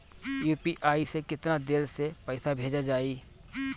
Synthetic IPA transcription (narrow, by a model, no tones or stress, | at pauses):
juːpiʔaːisekɪt̪nad̪eːɾsepɛːsabʱeːd͡ʒad͡ʒaːiː